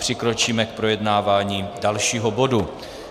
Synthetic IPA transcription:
pr̝̥ɪkɾo̞t͡ʃiːmɛk̚pɾo̞jɛdnaːvaːɲiːdalʃiːɦo̞bo̞du

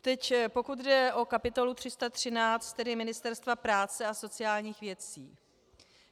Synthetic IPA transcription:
t̪ɛcpo̞kut̪dɛʔo̞kapɪt̪o̞lut̪r̝̥ɪst̪at̪r̝̥ɪnaːt͡st̪t̪ːɛdɪmɪnɪst̪ɛɾst̪vapɾaːt͡sɛaso̞t͡sɪaːlɲiːxvjɛt͡siː

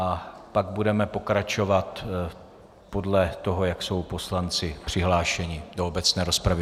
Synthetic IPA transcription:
ʔapaɡ̚budɛmɛpo̞kɾat͡ʃo̞vat̪ | po̞dlɛt̪o̞ɦo̞jakso̞wpo̞slant͡sɪpr̝̥ɪɦlaːʃɛɲɪdoobɛt͡snɛːɾo̞spɾavɪ

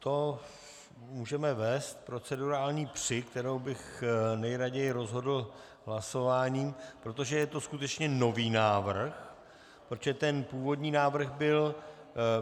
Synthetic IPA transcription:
t̪o̞ | muːʒɛmɛvɛːst̪pɾo̞t͡sɛduɾaːlɲiːpr̝̥ɪkt̪ɛɾowbɪxnɛjɾaɟɛjɪɾo̞zɦo̞dl̩ | ɦlaso̞vaːɲiːpɾot̪o̞ʒɛjɛt̪o̞skut̪ɛt͡ʃɲɛno̞viːnaːvr̩x | pɾot̪ʒ̥ɛt̪ɛnpuːvo̞dɲiːnaːvr̩xɣbɪl

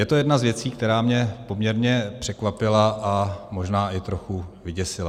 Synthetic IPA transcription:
jɛt̪o̞jɛdnazvjɛt͡siːk̚t̪ɛɾaːmɲɛpo̞mɲɛɾɲɛpr̝̥ɛkvapɪlaʔamo̞ʒnaːʔɪt̪ɾo̞xuvɪɟɛsɪla

